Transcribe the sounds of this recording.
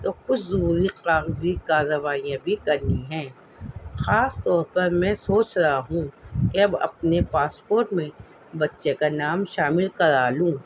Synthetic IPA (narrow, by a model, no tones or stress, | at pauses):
t̪oːkʊt͡ʃʰzɐɦuːɾiqaːɣzikaːɾəʋaːijãbʱikɐɾniɦɛ̃ː | xaːst̪ɔːɾpɐɾmɛ̃ːsoːt͡ʃɾɐɦaɦũkeɐbɐ̰p̚nepaːspoːɾʈmẽ | bɐtːʃekanaːmʃaːmɪlkɐɾaːlũː